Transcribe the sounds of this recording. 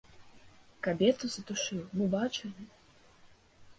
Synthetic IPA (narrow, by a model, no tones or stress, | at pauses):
kabʲɛt̪usɐt̪uʂɨwmɨbat͡ʂɨlʲi